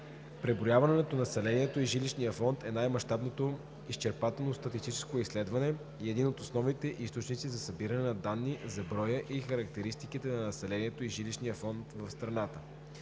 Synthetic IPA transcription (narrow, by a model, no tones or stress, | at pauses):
pɾɛbɾojavɐnɛnɛt̪onɐsɛlɛniɛt̪oiʒiliʃnijəfɔnt̪ɛnajmɐʃt̪abnot̪o | ist͡ʃɛɾpat̪ɛlˠnost̪ɐt̪ist̪it͡ʃɛ̥skoislɛd̪vɐnɛ | iɛd̪inot̪osnɔvnit̪ɛʔist̪ot͡ʃnit̪sizɐsɐbiɾɐnɛnɐd̪anːizɐbɾɔjəʔixɐɾɐk̚t̪ɛɾist̪ikit̪ɛnɐnɐsɛlɛniɛt̪oiʒiliʃnijəfɔnt̪vɐfst̪ɾɐnat̪ə